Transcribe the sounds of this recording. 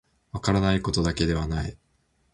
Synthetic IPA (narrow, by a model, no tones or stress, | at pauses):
βakaɾanaiko̞t̪o̞d̪ake̞d̪e̞βanai